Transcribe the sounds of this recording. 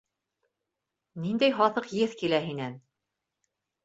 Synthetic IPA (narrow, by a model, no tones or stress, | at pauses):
nind̪æjɦɑθɤqjɘθkilæɦinæn